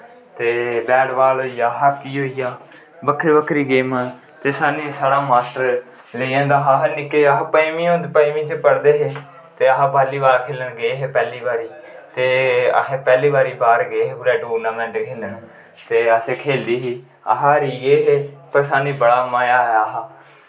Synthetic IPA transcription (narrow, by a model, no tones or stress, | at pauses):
t̪eːbɛːɖʋaːloːijaːɦaːkiːɦoːijaː | bəkʰːɾibəkʰːɾiːɡeːmãː | t̪eːsaːnĩːsaːɽaːmaːʈəɾ | leiãːnd̪aːɦaɦnɪkːeːəɦapəimĩːõːnd̪pəːmĩːt͡ʃəpəɽd̪eːɦeː | t̪eːəɦaːbʱaːliːbaːlkʰeːləɳɡeːɦeːpɛːliːbaːɾiːt̪eːə̰ẽːpɛːliːbaːɾiːbaːɾɡeːɦeːpuːɾɛːʈuːɾnaːmɛ̃ːɳɖekʰeːləɳ | t̪eːəseːkʰeːliːɦiː | ə̰ɦaːɾiːɡeːɦeːpəɾsaːnĩːbəɽaːmaːjaːɦɦaː